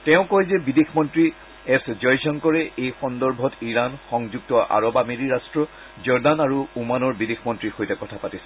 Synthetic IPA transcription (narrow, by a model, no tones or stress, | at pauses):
tɛʊ̃kɔjzɛbidexʰmɔntɹi | ɛszɔjzɔnkɔɹɛʔejxɔndɔɹbʱɔtʰiɹanxɔŋzuɡ̚tɔʔa̰ɹɔbameɹiɹastɹɔ | zɔɹdanaɹuumanɔɹbidexmɔntɹixojtɛkɔtʰapatisɛ